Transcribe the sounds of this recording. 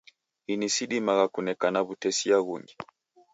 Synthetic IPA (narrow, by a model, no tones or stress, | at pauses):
inisiɗimaɣakunɛkanaβutɛsiaɣuŋɡi